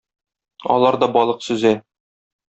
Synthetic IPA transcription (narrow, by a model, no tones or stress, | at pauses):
ɒ̰lˠɑɾd̪ɒbɒlˠɤqsʉzɘn